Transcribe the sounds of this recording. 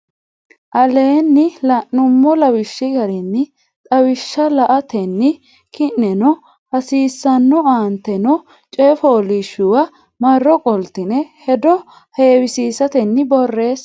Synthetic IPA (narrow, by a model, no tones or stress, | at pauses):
ʔɐle̞ːnːɪlɐʔːʊmːɔlɐwɪʃːɪɡɐɾɛnːɪ | t̪ʼɐwɪʃːɐlɐʔɐt̪ʰɛnːɪ | kɪnːɛnɔ | hɐsiːsːɐnːɔaːnt̪ɛnɔ | t͡ʃʼɛfoːlɪʃːʊwɐ | mɐrːɔkʼɔlt̪ɪnɛhɛd̪ɔ | he̞ːwɪsiːsɐt̪ɛnːɪbɔrːe̞ːs